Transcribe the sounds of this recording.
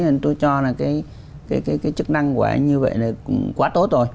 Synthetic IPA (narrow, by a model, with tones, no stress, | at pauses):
a˨˩t̪o˧jt͡ɕɔ˧laː˨˩kaː˨˦j | kaː˨˦jkaː˨˦jkaː˨˦jt͡ɕɨ˦˥k̚na˧ŋkṵ˧˩˨ɲɨ˧və̰˧˨jna˨˩kwaː˨˦t̪o˦˥t̚zo˨˩j